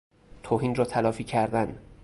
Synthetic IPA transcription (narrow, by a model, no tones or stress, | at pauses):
t̪ʰoːhiːnrɒːt̪ʰælɒːfiːcʰæɾd̪æn